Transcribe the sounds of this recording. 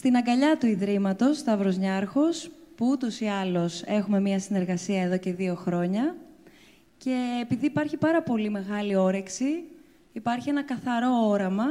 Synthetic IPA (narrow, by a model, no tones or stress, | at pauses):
st̪inɐŋɡɐʎɐt̪uiðɾimɐt̪o̞st̪ɐvɾo̞zɲɐɾxo̞spuut̪o̞siɐlo̞se̞xume̞miɐsine̞ɾɣɐsiɐeðo̞ce̞ðio̞xɾo̞ɲɐ | ce̞ːpiðiːpɐɾçipɐɾɐpo̞lime̞ɣɐlio̞ɾe̞ksiː | pɐɾçie̞nɐkɐθɐɾo̞oɾɐmɐ